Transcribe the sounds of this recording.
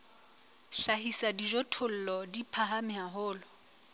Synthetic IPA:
ʃahisadid͡ʒɔtʰʊl̩lɔdipʰaɦamɪɦaɦʊːlɔ

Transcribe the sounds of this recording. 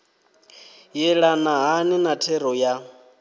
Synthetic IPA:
jɛɺanaɦaninatʰɛɾɔja

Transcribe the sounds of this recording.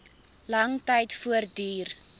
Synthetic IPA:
lɐŋtɐjtfuərdiːr

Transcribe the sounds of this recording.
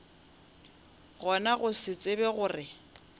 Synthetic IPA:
ɣɔnaɣʊsɪt͡sʼɪbɛɣʊːrɪ

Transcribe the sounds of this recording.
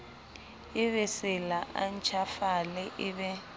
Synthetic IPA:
ɪβɛsɪlaʔan̩t͡ʃʰafalɛʔɪβɛ

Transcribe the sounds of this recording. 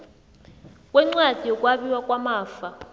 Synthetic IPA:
kʼwɛŋ͡ǀwad̥ʱijɔkʼwaɓiwakʼwamaːfa

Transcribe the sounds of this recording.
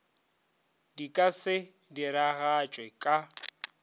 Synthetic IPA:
dikʼasɪ | diɾaɣat͡ʃʼwɛkʼa

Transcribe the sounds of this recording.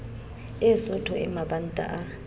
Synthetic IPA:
ɛsɔtʰɔʔɛmaɓantʼa̰ʔa

